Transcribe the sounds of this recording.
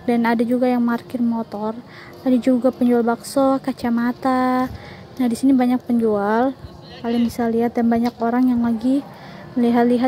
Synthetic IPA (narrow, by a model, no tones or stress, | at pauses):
danadad͡ʒuɡajaŋmarkɪrmot̪ɔr | adad͡ʒuɡapəɲd͡ʒualbaksokat͡ʃamat̪a | nahdisinibaɲak̚pəɲd͡ʒual | kalɪŋbisaliɦat̪̚danbaɲakoɾaŋjaŋlaɡi | məliɦat̪liɦa